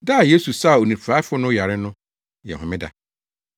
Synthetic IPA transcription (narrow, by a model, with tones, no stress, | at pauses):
da˦˨je˦su˨sa˦˨o˨nĩ˨pʰa˦fʊ˦nʊ̃˦ja˨ɾɪ˦nʊ̃˦ | jɛ̰˨ɦʊ̃˨mɪ̃˦da̰˨